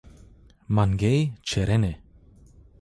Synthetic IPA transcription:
maŋɡejt͡ʃeɾɛne

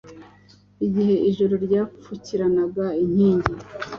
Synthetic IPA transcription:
iɟiɦe̞iʒoɾo̞ɾɟaːfuciɾanaɡaiɲ̥hiːɲɟi

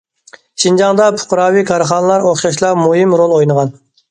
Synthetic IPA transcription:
ʃind͡ʒɑŋd̪ɑpʰʊ̥qɾɑːwikʰɑɾəχɑnlˠɑɾoχʃɑʃlˠɑmojɪmɾolˠojnɨʁɑn

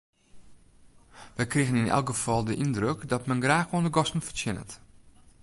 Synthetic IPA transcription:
ʋəjkreːɣənɪnɛ̰lˠkɡəfɔlˠdəʔindrøkdɔtmɛnɡraːxondəɡɔstn̩fətɪnə̰t

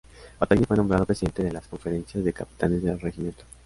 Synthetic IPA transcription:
at̪alifwe̞nombɾað̞o̞pɾesiðe̞nt̪eðe̞lasko̞ɱfe̞ɾe̞nsjazðe̞kapi̥t̪ane̞zðelreximjẽnt̪o̥

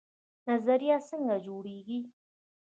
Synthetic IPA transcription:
nazaɾijasəŋɡad͡ʒoːɽeɡi

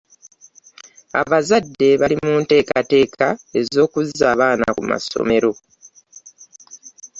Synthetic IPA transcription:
a̰βazadːe̞βalimunte̞ːkate̞ːkʰae̞zo̞ːkuzːaːβaːna̰kuma̰so̰me̞ɾo̞

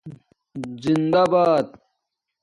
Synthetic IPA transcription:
zind̪abaːt̪̚

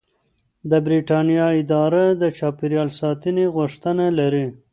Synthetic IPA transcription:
d̪əbɾiʈɑnjɑɪd̪ɑɾad̪ət͡ʃɑpiɾjɑlsɑt̪iniɣʊʂt̪ənalaɾi

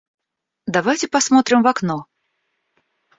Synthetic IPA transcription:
d̪avajtʲɪpasmɔt̪ɾʲɪmvaknɔ

